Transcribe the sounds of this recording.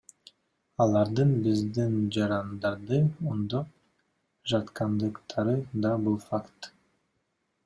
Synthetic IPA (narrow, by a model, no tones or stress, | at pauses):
ɑlˠɑɾd̪ɯnbizd̪ind͡ʒɑɾɑnd̪ɑɾd̪ɯond̪oq | ʒɑt̪qɑnd̪ɯqt̪ʰɑɾɯd̪ɑbulˠfakt̪